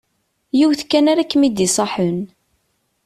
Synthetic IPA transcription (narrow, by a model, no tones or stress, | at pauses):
jiwθkːænaɾakːmid̪isˤɑħən